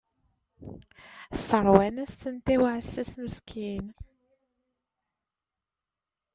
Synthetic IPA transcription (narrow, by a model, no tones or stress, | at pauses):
səɾˤwænæsθənt̪æwʕsæsməskʰin